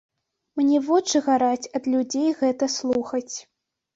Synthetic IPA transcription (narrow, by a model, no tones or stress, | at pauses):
mnʲɛvɔt͡ʂɨɣaɾat͡sʲɐd̪lʲud͡zʲejɣɛt̪ɐslˠuxɐt͡sʲ